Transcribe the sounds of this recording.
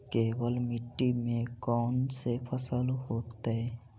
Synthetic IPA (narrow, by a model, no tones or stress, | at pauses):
kebəlmiʈːimẽkɔnsepʰəsəlɦot̪ee